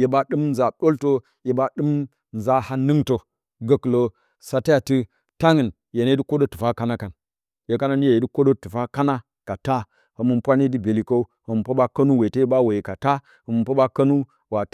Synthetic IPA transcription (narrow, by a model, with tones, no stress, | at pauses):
je˨ba˨ɗɨ˦mnza˨ɗo˦lto˦ | je˨ba˨ɗɨ˦m | nza˨ha˦nɨ˦ŋto˨ | ɡə˨klo˨ | sa˨ta˦ja˨tɨ˦ | ta˦ŋɨ˨n | je˨ne˦di˦ko˦do˦tu˨fa˦ka˦na˦ka˨n | je˨ka˦na˦ni˦je˦˨je˨˦di˦ko˦ɗo˦tu˨fa˦ka˦na˦ | ka˨ta˦ | ho˨mu˨npʷa˦ni˦di˦be˨li˨ko˦u˦ho˨mu˨pa˦ba˦kɐ˦nu˦we˨te˦je˦ba˦we˨je˨ka˨ta˦ | hə˨mu˨npa˦ba˦kɐ˦nu˦ | wa˨